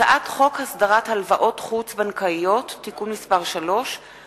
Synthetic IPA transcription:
aʔatχo̞khasd̪aʁathalvaʔo̞tχut͡sbankaijo̞tːikunmispaʁʃalo̞ʃ

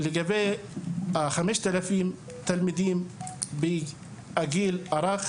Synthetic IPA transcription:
lɪɡabeː | xamiʃt̪alafiːm | t̪almid̪iːmbi | ʔaɡiːlʔɑɾˤɑx

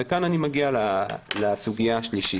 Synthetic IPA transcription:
ekananimaɡialalasuɡijaʃliʃi

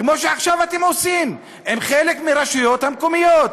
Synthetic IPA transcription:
kmo̞ʃeaχʃavat̪e̞mo̞sim | emχelekmiʁaʃujo̞t̪hamko̞mijot̪̚

